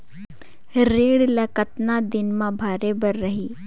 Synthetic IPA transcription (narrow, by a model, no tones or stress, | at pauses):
ɾeːɽlakət̪nad̪ɪnmãbʱaːɾebəɾːɐɦiː